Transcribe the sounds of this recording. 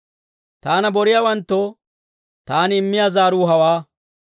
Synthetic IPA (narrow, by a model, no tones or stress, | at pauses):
t̪aːnɐbɔɾɪjawɐnt̪ːo | t̪aːnɪɪmːɪjaːzaːɾuːɦɐwaː